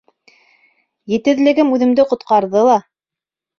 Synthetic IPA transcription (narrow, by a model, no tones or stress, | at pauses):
jɘ̆t̪ɘ̆ðlɘ̆ɡɘmʉðɘ̆md̪ɘqŏt̪qɑɾðɤlˠɑ